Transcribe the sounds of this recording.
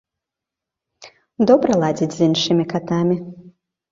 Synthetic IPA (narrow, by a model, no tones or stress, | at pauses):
d̪ɔbɾɐlˠad͡zʲid͡zʲzʲinʂɨmʲikat̪amʲi